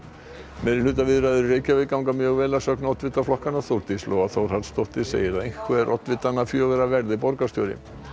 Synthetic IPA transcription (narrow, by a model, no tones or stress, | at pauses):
mɛːɾɪlʏːt̪̬avɪðɾajðʏɾreːjcavɪðkawŋkamjœːɣvɛːlasœknɔt̪vɪt̪ːaflɔhkanaθowɾt̪islɔːɣaθowɾ̥at̪st̪owht̪ɪsḛːjɪɾaðejŋkʰvɛɾʔɔ̰t̪vɪt̪ːanafjœːɣʏɾavɛɾðɪpɔɾkast̪jɔːwɾɪ̰